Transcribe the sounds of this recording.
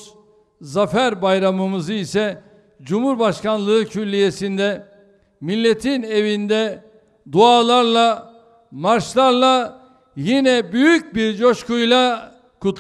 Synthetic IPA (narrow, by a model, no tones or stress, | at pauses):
zafæɾbajɾamɯmɯzɯisɛ | d͡ʒumhuɾbaʃkanlˠɯɯcʰyllʲːije̞sind̪ɛ | milʲːe̞t̪ʰine̞vind̪ɛ | d̪uaːlˠaɾlˠa | maɾʃlˠaɾlˠa | jinɛbyjyc̚biɾd͡ʒo̞ʃkujlˠa | kʰut̪